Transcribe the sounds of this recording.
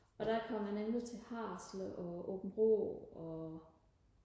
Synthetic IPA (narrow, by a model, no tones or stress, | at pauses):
ʔɒ̽d̥ækʰɒ̽m̰ːænemlit͡sʰe̝hɑ̈ːsləʔɒʔo̰b̥n̩ʁo̰ɒ̽